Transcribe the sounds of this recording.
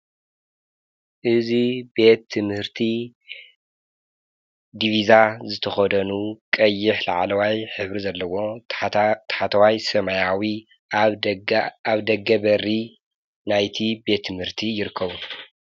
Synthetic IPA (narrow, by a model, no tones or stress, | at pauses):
ʔɨzibe̞t̪ʰːɨmhɨɾt̪ʰi | d̪ivizazɨt̪ʰɐxɐd̪ɐnukʼɐjːɪħla̰ʕlɐwajħɨβɾizɐlːɐwo̞ | t̪ʰħat̪ʰɐwajsɐmajawi | aβd̪ɐɡːɐbɐrːi | najt̪ʰibe̞t̪ʰːɨmhɨɾt̪ʰijɪɾɨkʰːɐβu